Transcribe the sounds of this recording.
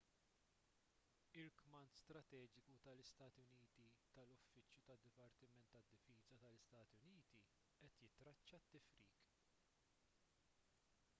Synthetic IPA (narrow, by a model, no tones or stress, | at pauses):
ɪɾkmɐnt̪st̪ɾɐt̪ɛːd͡ʒɪkut̪ɐlɪst̪ɐːt̪iʊniːt̪it̪ɐlʊfːɪt͡ʃjut̪ɐd̪ːɪpɐɾt̪ɪmɛnt̪ːɐd̪ːɪfiːzɐt̪ɐlɪst̪ɐːt̪iʊniːt̪i | ʔɛt̪jɪt̪ɾɐt͡ʃːɐt̪ːɪfɾiːk